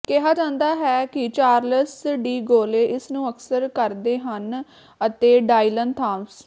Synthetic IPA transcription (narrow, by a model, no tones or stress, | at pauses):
keɦaːd͡ʒãːnd̪aːɦɛːkɪt͡ʃaːɾləsɖiːɡoːleːʔɪsnũːəksəɾkəɾd̪eːɦən | ət̪eːɖaːilənt̪ʰãːms